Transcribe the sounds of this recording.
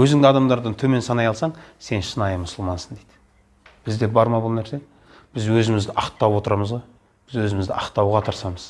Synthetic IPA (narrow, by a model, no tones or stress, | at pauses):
wɵzɪŋd̪ɪɑd̪ɑmd̪ɑɾd̪ənt̪ʰɵme̞nsɑnɑjɑlˠsɑɴse̞nʃənɑjəmʊsəlˠmɑnsənd̪ejd̪̥ɪ̥ | b̥ɪzd̪e̞bɑɾmɑbʊlˠnæɾse̞ | b̥ɪzwɵzɪmɪzd̪ɪʔɑqt̪ːɑwwo̞t̪əɾɑməzʁoj | b̥ɪzwɵzɪmɪzd̪ɪʔɑqt̪ːɑwʁɑt̪ʰɑɾsɑməz̥